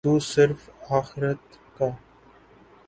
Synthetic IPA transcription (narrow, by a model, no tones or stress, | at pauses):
uːsɪɾfaːxɪɾət̪ | ka